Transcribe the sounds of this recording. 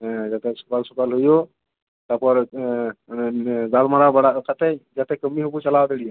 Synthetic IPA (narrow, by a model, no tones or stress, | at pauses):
d͡ʒat̪ɛsu̥kalsukalɦujo | t̪apɔɾ | d͡ʒalmaɾabəɽakʰat̪ɛd͡ʒat̪ɛkəmːiɦobut͡ʃəlawd̪elija